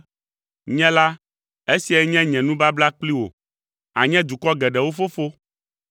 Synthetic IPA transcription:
ɲɛ̃˦la˦ | e˦si˨a˨˦ɲɛ̃˦ɲɛ̃˨nũ˦ba˦bla˦k͡pli˦wo̰˨ | a˨ɲɛ̃˦d̪u˨kɔ˦ɡɛ˨ɖɛ˨wo˦fo˦fo˦

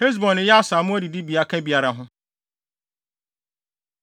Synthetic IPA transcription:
he˦z̬bɔ̃˨nɪ̃˨jɛ˦a˦sa˨mʊ̃˦æ˦di˨di˦bi˨a˦kʰã˦bi˨a˨ɾa˨ɦʊ̃˦

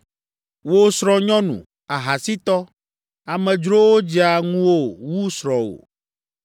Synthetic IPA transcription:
wo˦sɾɔ̃˨ɲɔ̃˦nṵ̃˨ | a˨ɦa˨si˦t̪ɔ˦ | a˨mɛ̃˨d͡ʒɾo˦wo˦d͡ʒi˦a˨ŋũ˦wo˦wu˦sɾɔ̃˨o̰˨

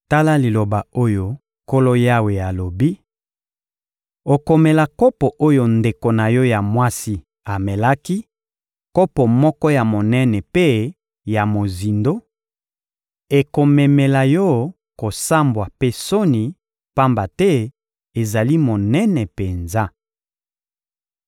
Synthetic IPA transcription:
ta˦la˦li˨lo˨ba˨o˦jo˨ | ko˦lo˦ja˦we˨a˨lo˨bi˦ | o˨ko˨me˨la˨ko˦pɔ˨ʔo˦jo˨nde˨ko˨na˨jɔ˦ja˨mwa˦si˦ | a˨mɛ˨la˦ki˦ | ko˦pɔ˨mɔ˦kɔ˦ja˨mo˨nɛ˦nɛ˨pe˦ | ja˨mo˨zi˨ndo˦ | e˨ko˨mɛ˨mɛ˨la˨jɔ˦ | ko˨sa˦mbwa˨pe˦so˦ni˨ | pa˦mba˨tɛ˦ | e˨za˨li˦mo˨nɛ˦nɛ˨pe˨nza˦

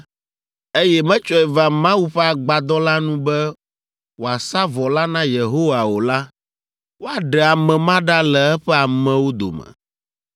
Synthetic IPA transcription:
e˦jɛ˦mɛ̃˦t͡ʃɔ˦ɛ˨va˨mã˦wu˦ɸɛ˦a˨ɡ͡ba˨d̪ɔ˦la˦nũ˦bɛ˦ | wo˨a˨sa˦vɔ˨la˦nã˦je˨ɦo˦wa˨wo˨la˦ | wo˦a˨ɖɛ˨a˨mɛ̃˨mã˦ɖa˦lɛ˨ɛ˦ɸɛ˦a˨mɛ̃˨wo˦d̪o̰˨mɛ̰̃˨

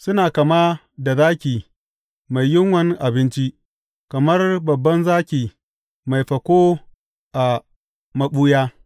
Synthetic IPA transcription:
sʊ˦naː˨kɐ˨ma˦ | da˨zaː˦kʲiː˨ | ma˨jjɪ˦ŋwɐ˦n˦ʔa˨bɪ˦nt͡ʃi˦ʔ | kɐ˨mɐ˦rbɐ˨bːɐ˦nzaː˦kʲiː˨ | ma˨jɸɐ˨kʷoː˦ | ʔa˨ | mɐ˨ɓuː˦jaː˦

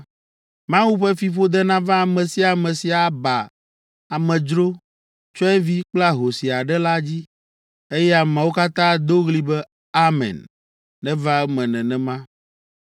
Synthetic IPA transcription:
mã˦wu˦ɸɛ˦fi˨ɸo˦d̪ɛ˦nã˦vã˦a˨mɛ̃˨si˦a˨mɛ̃˨si˨a˨ba˨ | a˨mɛ̃˨d͡ʒɾo˦ | t͡ʃɔ˦ɛ˦vi˦k͡pla˦ɦo˨si˨a˨ɖɛ˦la˦d͡ʑi˦ | e˦jɛ˦a˨mɛ̃˨wo˦ka˦t̪ã˦d̪o˦ɣli˦bɛ˦ | a˦mɛ̰̃˨nː | ɛ̃˦va˦mɛ̃˨nɛ̃˨nɛ̃˨mã˦

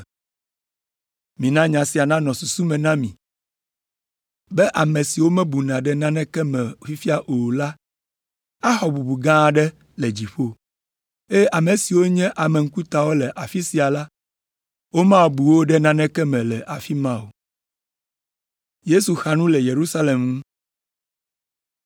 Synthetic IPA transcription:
mĩ˨nã˦ɲã˨si˨a˨nã˦nɔ̃˨su˨su˦mɛ̃˨nã˦mĩ˨ | bɛ˦ʔa˨mẽ˨si˨wo˦mɛ̃˦bu˨nã˨ɖɛ˦nã˦nɛ̃˦kɛ˦mɛ̃˨fi˦fi˦a˦ʔo˨la˦ | a˦xɔ˨bu˨bu˨ɡã˦˨ɖɛ˦ | lɛ˨d͡ʑi˨ɸo˦ | e˦a˨mẽ˨si˨wo˦ɲɛ̃˦ʔa˨mɛ̃˨ŋ̩˦ku˦t̪a˨wo˦lɛ˨ʔa˨fi˦si˨a˨la˦ | wo˦mã˦˨bu˨wo˦ɖɛ˦nã˦nɛ̃˦kɛ˦mɛ̃˨lɛ˨ʔa˨fi˦mã˦wo˨ | je˦su˨xa˨nũ˦lɛ˨je˨ɾu˦sa˦le˨mŋũ˦

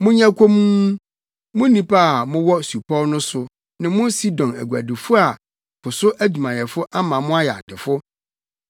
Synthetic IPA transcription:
mʊ̃˦ɲã˦kʷʰo˦mu˦ | mʊ̃˦nĩ˦pʰa˦˨mʊ̃˦wɔ˦su˨pʰɔ˦nʊ̃˦sʊ˨ | nɪ̃˨mʊ̃˦si˦dɔ̃˨næ̰˨ɡu˨æ̰˨dɪ˨fʊ˦a˨ | kʰʊ˨sʊ˦ʔæ˦d͡ʑᶣu˨mã˨jɛ˨fʊ˦ʔa˦mã˨mʊ̃˦a˦jɛ˨a̰˨tʰɪ˨fʊ˦

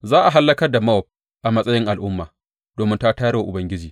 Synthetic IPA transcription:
zaː˦ʔa˨ɦa˦lːɐ˦kɐ˦rda˨mɐ˦wɔ˨p̚ | ʔa˨mɐ˦sʼɐ˦jɪ˦ŋʔa˨lʔʊ˦mːaː˨ | d̥oː˨mɪ˦nta˦taː˦ɽwa˨ʔʊ˨bɐ˦ŋɡʲɪ˦d͡ʒiː˨

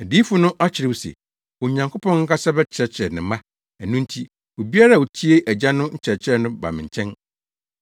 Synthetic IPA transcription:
æ˨diː˦fʊ˦nʊ̃˦ʔa˦t͡ɕʰɪ˨ɾɪ˦˨wo˨sɛ̰˨ | wo˨ɲã˨ŋkʰo˦pʰɔ̃˦ŋŋ̩˦kʰa˦sa˦bɛ˦t͡ɕʰɪ˨ɾɛ˨t͡ɕʰɪ˨ɾɛ˨nɪ̃˨mã˦ | æ˨nʊ̃˦n̩˦tʰi˦ | wo˨bi˦a˦ɾa˦˨wo˨tʰi˦e˦ʔæ˨d͡ʑa˦nʊ̃˦ɲ̩˦t͡ɕʰɛ˨t͡ɕʰɪ˦ɛ˦nʊ̃˦ba̰˨mɪ̃˨ɲ˨t͡ɕʰɛ̃˦n

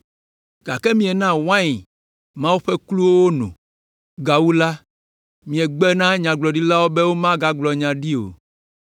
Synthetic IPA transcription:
ɡ̥a˨kɛ˦mĩ˨ɛ˨nã˦wã˦ɲi˨ | mã˦wu˦ɸɛ˦klu˦wo˦wo˦nṵ̃˨ | ɡa˨wu˦la˦ | mĩ˨ɛ˨ɡ͡bɛ˦nã˦ɲã˨ɡ͡blɔ˨ɖi˦la˦wo˦bɛ˦wo˦mã˦ɡa˦ɡ͡blɔ˨ɲã˨ɖi˦o̰˨

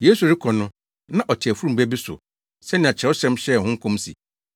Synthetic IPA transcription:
jeː˨˦su˨ɾɪ˦kʰɔ˨nʊ̃˦ | nã˦ʔɔ˨tʰɪ˨æ˨fu˦ɾu˦m̩˨bæ˦bi˦sʊ̰˨ | sɛ˦nɪ̃˨a˨t͡ɕʰɪ˨ɛ˦ʊ˦sɛ̃˦mɕɛ˦˨hʊ̃˦ŋ̩˦kʰʊ̃˦msḭ˨

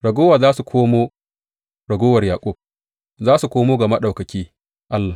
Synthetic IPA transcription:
ɽɐ˨ɡʷoː˦waː˨zaː˦su˨kʷʰoː˦moː˦ | ɽɐ˨ɡoː˦wɐ˨rjaː˨kʷʼʊ˦k̚ | zaː˦su˨kʷoː˦moː˦ɡɐ˨ma˦ɗa˨wkɐ˨kʲiː˦ | ʔa˦lːaː˨

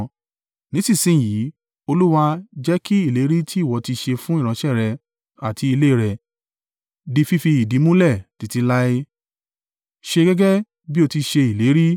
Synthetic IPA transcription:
nĩ˨˦si˦˨sĩ˦˨ji˨˦ | o˧lu˦wa˧d͡ʒɛ˦ki˦i˦˨le˨˦ɾi˦tʰi˦˨wɔ˨˧ti˧ʃe˧fũ˦i˦˨ɾ̃ã˨˦ʃɛ˦˨ɾɛ˧ | a˨ti˧i˧le˦i˨ɾɛ˧˨ | di˧fi˦fi˧i˨di˨˦mũ˦lɛ˦˨ti˨˧ti˧la˦e˧ | ʃe˧ɡɛ˦ɡɛ˦ | bi˦o˧ti˧ʃe˧i˨le˨˦ɾi˦

